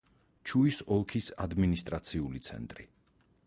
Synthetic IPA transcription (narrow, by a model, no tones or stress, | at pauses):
t͡ʃʰuisɔlˠkʰisa̰d̪minist̪ʼɾat̪sʰiulit̪sʰɛ̰nt̪ʼɾi